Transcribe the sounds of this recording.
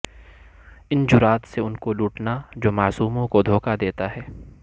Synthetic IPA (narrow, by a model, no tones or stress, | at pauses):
ɪnd͡ʒʊɾaːt̪seʊnkoluːʈnad͡ʒoːmaːsuːmõkod̪ʱoːkad̪eːt̪aɦɛː